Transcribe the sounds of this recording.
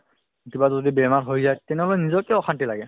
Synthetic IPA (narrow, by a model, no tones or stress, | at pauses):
tibazodibɛmaɹɦojzajtɛnɛɦɔlɛnizɔkɛɔxʰantilaɡɛ